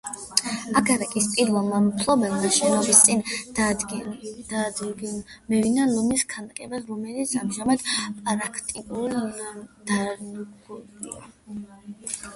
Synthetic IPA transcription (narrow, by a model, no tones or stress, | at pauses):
akʰaɾɛkʼist̪sʼid̪lˠɔmamp̪ʰlˠɔbɛlmaʃɛnɔɔbist̪sʼin | d̪a | mɛvinalɔmiskʰanakʼɛbasɾɔmɛlit̪sʰa̰mʒamad̪̥pʼaɾakʰt̪ʼiul | d̪̥aɡuia